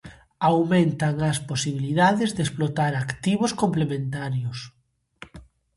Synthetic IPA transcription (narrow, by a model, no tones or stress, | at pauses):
awmẽnt̪aŋasposiβ̞iliðaðezðesplot̪aɾakt̪iβ̞oskomplemẽnt̪aɾjos